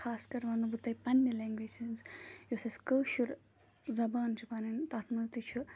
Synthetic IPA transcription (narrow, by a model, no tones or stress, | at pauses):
xʰaːskɐɾʋɐːnubut̪ɐjpɐnːɐlɛːŋɡʋeːt͡ʃʰɐnzjoːsɐskəːʃuɾ | zɐbaːnt͡ʃʰupɐːnɐnt̪aːt̪ʰmɐnzt̪it͡ʃʰu